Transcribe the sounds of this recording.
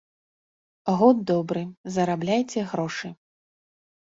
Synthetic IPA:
ɣɔd̪̚d̪ɔbɾɨzɐɾablʲajt͡sʲɛɣɾɔʂɨ

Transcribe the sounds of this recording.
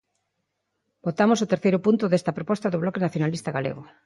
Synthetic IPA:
bot̪amosʊt̪eɾθejɾʊpunt̪ʊðest̪ɐpɾopɔst̪ɐðʊβlɔkenaθjonalist̪ɐɣalḛɣʊ

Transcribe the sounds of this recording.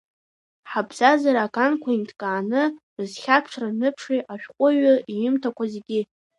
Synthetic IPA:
ħabʰzazaɾaːkʼankʷʰaintʰkʼaːnɨ | ɨzχʲapʰʂʰranɨpʰʂiʔaʃᶣqʷʼʊɥaijɪmtʰakʷʰazeɡʲɪ

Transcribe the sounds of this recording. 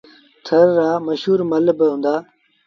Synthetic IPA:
t̪ʰəɾːaːməʃɦuːɾmɐlbɪɦũːnd̪aː

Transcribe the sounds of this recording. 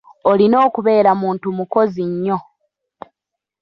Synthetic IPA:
olino̞ːkuβe̞ːɾamuːntumuko̞ziɲːo̞

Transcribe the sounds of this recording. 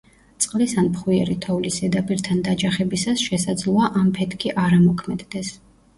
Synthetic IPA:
t̪sʼqʼlisanpχwiɛɾit̪ʰɔvlisɛd̪apʼiɾt̪ʰand̪ad͡ʒaχɛbisasʃɛsad̪zlˠɔaʔampʰɛt̪ʰkʰiʔaɾamɔkʰmɛd̪d̪ɛs

